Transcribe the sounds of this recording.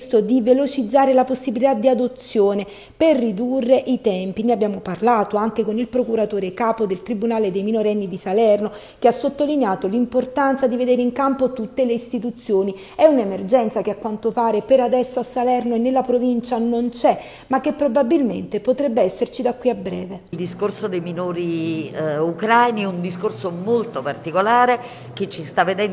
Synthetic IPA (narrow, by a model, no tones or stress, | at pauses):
st̪od̪ivelot͡ʃid̪zːaːɾelaposːibilit̪ad̪iad̪ot̪sːjoːne | perːid̪urːeʔit̪ɛmpineabːjaːmoparlaːt̪oaŋk̟ekonilpɾokuɾat̪oːɾekaːpod̪elt̪ɾibunaːled̪ejminoɾɛnːid̪isalɛrno | keasːot̪ːolineaːt̪olimport̪ant̪sad̪ived̪eːɾeiŋkampot̪ut̪ːeleist̪it̪ut̪sːjoːni | ɛunemerd͡ʒɛnt̪sakeakːwant̪opaːɾepeɾad̪ɛsːoasːalɛrnoenːelːapɾovint͡ʃanont͡ʃɛ | makːepːɾobabːilmḛnt̪epot̪ɾɛbːeɛsːert͡ʃid̪akːwiabːɾɛ̰ːveld̪iskorsod̪ejminoːɾi | ukɾaajniund̪iskorsomolt̪opart̪ikolaːɾe | k̟et͡ʃːist̪avːed̪ɛn